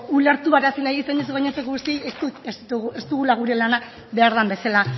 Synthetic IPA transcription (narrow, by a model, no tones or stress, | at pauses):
ule̞ɾt̪uβaɾasinajɣisenus̬uɣaɲesekoɣust̪iest̪ut̪est̪uɣe̞st̪uɣulaɣ̞uɾe̞lana | be̞aɾðambe̞sela